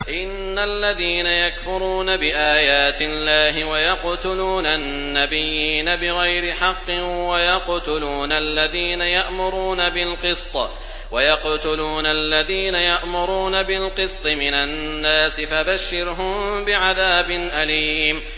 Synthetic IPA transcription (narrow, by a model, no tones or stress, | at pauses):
ʔɪnːalːaðiːnajakfʊɾuːnabɪʔaːjaːt̪ɪlːaːɦɪwajɑqt̪ʊluːnannːabɪjːiːnabɪɣajɾɪħɑqːɪwajɑqt̪ʊluːnalːaðiːnajaʔmʊɾuːnabɪlqɨst̪ˤɑ | wajɑqt̪ʊluːnalːaðiːnajaʔmʊɾuːnabɪlqɨsˤt̪ˤɨmɪnanːaːsɪfabaʃːɪɾɦʊmbɪʕaðaːbɪnʔaliːm